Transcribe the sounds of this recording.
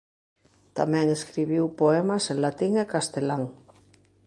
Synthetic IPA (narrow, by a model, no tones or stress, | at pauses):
t̪amɛ̃ŋeskɾiβ̞iwpoemasenlat̪iŋekast̪elaŋ